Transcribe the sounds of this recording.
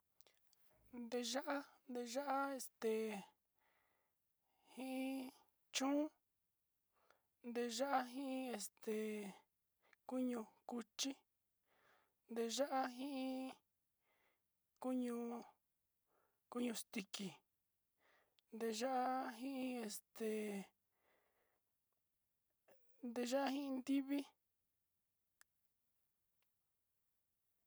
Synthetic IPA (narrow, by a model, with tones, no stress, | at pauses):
nd̪e˧ʒa˦ʔa˦nd̪e˧ʒa˦ʔa˦e˧st̪e˨ | hĩ˦ʔĩ˦ | t͡ʃũ˦ | nd̪e˧ʒa˦ʔa˦ɦĩ˦ʔĩ˦e˧st̪e˨ | ku˦ɲũ˧ku˧t͡ʃi˦ | nd̪e˧ʒa˦ʔa˦ɦĩ˦ʔĩ˦ | ku˦ɲũ˧ | ku˦ɲũ˧st̪i˧ki˨ | nd̪e˧ʒa˦ʔa˦ɦĩ˦ĩ˦e˧st̪e˨ | nd̪e˧ʒa˦ʔa˦hĩ˦ĩ˧nd̪i˦βi˦